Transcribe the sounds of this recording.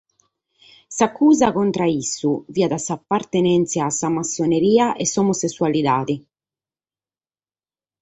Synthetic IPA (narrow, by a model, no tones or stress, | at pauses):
sakʰːuːzakɔnt̪ɾaisːuviːad̪asapːaɾt̪enɛnt̪sjaːsːamasːoneɾiːaʔɛsɔmosesːualid̪aːd̪i